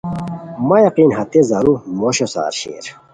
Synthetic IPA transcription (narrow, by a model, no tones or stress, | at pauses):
mɐjɐqiːnɦɐt̪ezɐɾumoɕosa̰ːɾɕḛːɾ